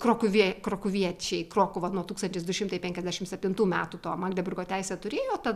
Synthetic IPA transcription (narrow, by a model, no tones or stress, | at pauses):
kɾoːkʊʋʲiɛkɾoːkʊʋʲiɛt͡ʃʲɛɪkɾoːkʊʋɐnuɔt̪uːkst̪ɐnʲt̪ʲɪsd̪ʊʃʲɪmt̪ɐɪpʲɛŋkʲɛzʲd̪ʲæʃʲɪmsʲɛpʲt̪ʲɪnt̪uːmʲæːt̪uːt̪oːmɑːɡd̪ʲɛbʲʊrɡoːt̪ʲæɪsʲɛt̪ʊɾʲeːjoːt̪ɐt